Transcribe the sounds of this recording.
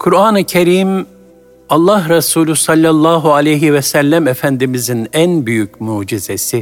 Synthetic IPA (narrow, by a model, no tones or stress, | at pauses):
kʰuɾaːnɯcʰeɾiːm | ɑlˠːaɦɾasuːlʲusalʲːalˠːaːɦualʲejɦivɛsælʲːæmefænd̪imizinænbyjycmuːd͡ʒiz̥esi